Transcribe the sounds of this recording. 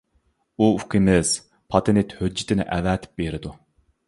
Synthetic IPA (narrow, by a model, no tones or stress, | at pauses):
uuqʰimɪz̥ | pʰɑt̪ʰenɪt̪hød͡ʒːɪt̪ʰɪnɪ̰ʔæ̰væːt̪ʰɪ̥p̚beɾɪd̪u